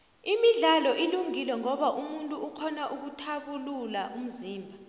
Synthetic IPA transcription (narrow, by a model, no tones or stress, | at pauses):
imiɮalɔʔiluŋilwɛŋɔɓaʔumuntʼuːkʰɔnaʔuk̬utʰaɓululaʔum̩ziːmbʱa